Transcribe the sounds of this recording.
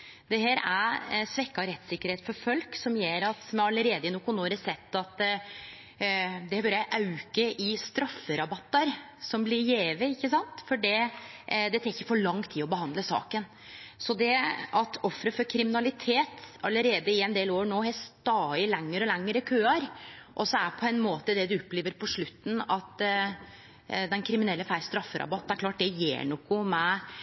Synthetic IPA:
d̪ɛheːɾæɾsʋɛkːɑɾɛt̪ːsɪkːəɾheːt̪fɔɾfɔlksɔmjeːɾɑt̪mɛɑləɾeːd̪əɪnʊkʊnoːɾəsɛt̪ːɑt̪ | d̪ɛhbøɾəjæʔɑʉkəʔɪst̪ɾɑfːəɾɑbɑt̪ːɑɾ | sɔmblɪɾjeːʋəɪkːəsɑnt̪fɔɖɛ | d̪ɛt̪ʰɛkːəɾfɔɭɑŋt̪ʰːiːɔbəhɑnd̪ləsɑ̰ːkən | sɔd̪ɛɑt̪ɔfːɾəfɔɾkʰɾɪmɪnɑlɪt̪ʰeːt̪ɑlːəɾeːd̪əɪɛnd̪eːloːɾɳoːhɛst̪ɑːɪlɛŋːəɾɔlɛŋːəɾəkʰøːɑɾʔɔsɔæɾpʰɔɛnmoːt̪əd̪ɛd̪ʉɔpːleːʋəɾpʰɔʂɭʉt̪ːn̩ɑt̪ | d̪ɛnkʰɾɪmɪnɛlːəfæɾst̪ɾɑfːəɾɑ̰bɑt̪ːnæɾklɑːʈ̚d̪ɛjḛːɳɔkːʊmɛ

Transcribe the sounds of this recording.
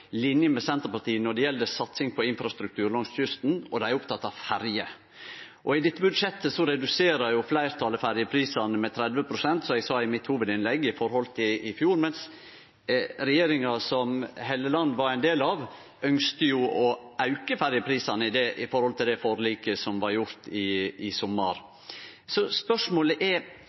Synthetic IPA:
lɪnjəmɛsɛnt̪əɾpɑt̪iːənɔɖ̪ɛjɛld̪əsɑt̪sɪŋpʰɔɪnfɾɑst̪ɾʉk̚t̪ʰʉːɾlɔŋsçʏst̪nɔd̪ɛæɪʊpt̪ʰɑt̪ːɑʋfæɾjə | ʔɔɪd̪ɪt̪ːəbʉd̪ʂɛt̪ːəsɔɾɛd̪ʉseːɾəɾjʊflæɪɾt̪ʰɑləfæɾjəpʰɾiːsɑnəmɛt̪ʰɾɛd̪ʋəpʰɾʊsɛnt̪sɔɛɡsɑːɪmɪt̪ːhuːʋəd̪ɪnlɛɡːəɪfɔɾhɔlt̪ʰɪɪfjuːɾmɛns | ɾɛjeːɾɪŋɑsɔmɦeːləlɑnːəʋɑɾæɪnd̪eːlɑʋ | œŋst̪əjʊɔɑʉkəfæɾjəpʰɾiːsɑnəɪd̪ɛʔɪfɔɾhɔlt̪ʰɪld̪ɛfoːɾəliːkəsɔmʋɑɾjʊɾt̪ɪɪsɔmːə̰ɾ | sɔspœʂmoːləʔɛɾ

